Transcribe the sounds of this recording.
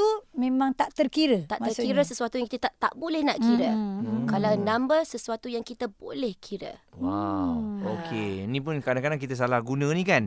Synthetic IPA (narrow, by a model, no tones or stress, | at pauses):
t̪umẽmãŋt̪aʔt̪ərkiɾət̪aʔt̪ərkiɾəsəsuat̪ujaŋkit̪ət̪aʔt̪aʔbolɛhnaʔkiɾəkalawnãmbəsəsuat̪ujaŋkit̪əbo̰lɛhkʰiɾə̰waokʰenĩpʊnkadaŋkadaŋkit̪əs̬alahɡunə̃nĩkan